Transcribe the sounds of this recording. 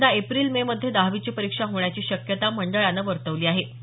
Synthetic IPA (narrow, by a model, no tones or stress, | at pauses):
d̪aepɾiːlmeməd̪ʱːjed̪aɦʋit͡ɕiːpəɾikʂaɦoɳjat͡ɕiːɕəkjət̪aməɳɖəɭanːəʋəɾt̪əʋliːaɦe